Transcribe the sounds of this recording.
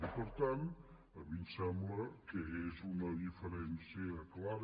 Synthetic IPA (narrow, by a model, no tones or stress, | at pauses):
ipəɾt̪an | əβinsɛmbləkəezunəðifəɾɛnsiəklaɾ